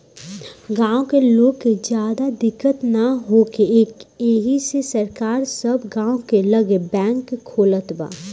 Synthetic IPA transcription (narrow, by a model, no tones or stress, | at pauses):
ɡãːõkeloːɡked͡ʒjaːd̪ad̪ɪkːət̪naɦokeeːkeɦisesəɾkaːɾsəbɡãːõkeləɡebɛ̃ːŋkʰːoːlət̪ba̰ː